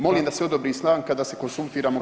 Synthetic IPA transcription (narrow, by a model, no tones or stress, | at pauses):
mo̞liːmd̪aseo̞d̪obɾiːsnaːŋkad̪aːse̞ko̞nsult̪iːɾaːmo